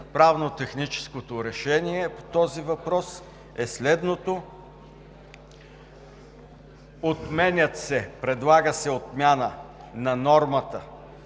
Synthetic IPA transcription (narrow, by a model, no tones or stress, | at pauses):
pɾavnot̪ɛxnit͡ʃɛ̥skot̪oɾɛʃɛniɛpo̥t̪ɔzivɐpɾɔs | ɛslɛd̪not̪o | ot̪mɛnʲət̪sɛpɾɛd̪lˠaɡəsɛot̪mʲjanənɐnɔɾmət̪ə